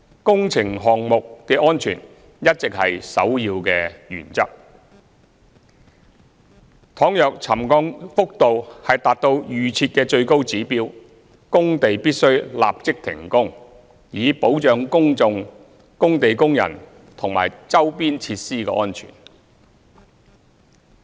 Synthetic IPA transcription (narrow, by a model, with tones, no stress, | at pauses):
kʊ˥ŋt͡sʰɪ˨˩ŋɦɔː˨ŋmʊ˨k̚kɛː˧ʔɔː˥nt͡ʃʰyː˨˩n | jɐ˥t̚t͡sɪ˨k̚hɐ˨jsɐ̰˨˥wjiː˧wkɛː˧jy̰ː˨˩nt͡sɐ̰˥k̚ | t̪ʰɔː˨˥ŋjœ˨k̚t͡sʰɐ˨˩mkɔː˧ŋfʊ˥k̚t̪o˨whɐ˨jt̪aː˨t̚t̪o˧wjyː˨t͡sʰiː˧t̚kɛː˧t͡ʃɵ˧ɥko˥wt͡siː˨˥piː˥w | kʊ˥ŋt̪e˨jpiː˥t̚sɵ˥ɥla̰ː˨p̚t͡sɪ˥k̚t̪ʰɪ̰˨˩ŋkʊ˥ŋ | jiː˨˧po˨˥wt͡ʃœː˨ŋkʊ˥ŋt͡sʊ˧ŋ | kʊ˥ŋt̪e˨jkʊ˥ŋjɐ̰˨˩n | t̪ʰʊ˨˩ŋma̰ː˨˩jt͡sɐ˥wpiː˥nt͡sʰiː˧t̚siː˥kɛ̰˧ʔɔː˥nt͡ʃʰy̰ː˨˩n